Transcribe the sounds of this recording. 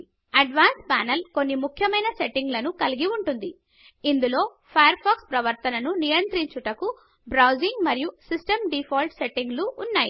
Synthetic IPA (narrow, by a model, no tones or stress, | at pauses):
ɐɖʋaːnspa̰ːnɐlko̞nːimukʰjɐmɐjnɐse̞ʈːiŋɡlɐnukɐliɡiuɳʈund̪i | ind̪ulo̞ː | pʰɐjɐɾpʰaːkspɾɐʋɐɾt̪ɐnɐnunijɐnt̪ɾiɲt͡ʃuʈɐku | bɾɐwd͡ʒiŋɡmɐɾijusisʈɐmɖipʰoːlʈse̞ʈːiŋɡluːnːaːjḭ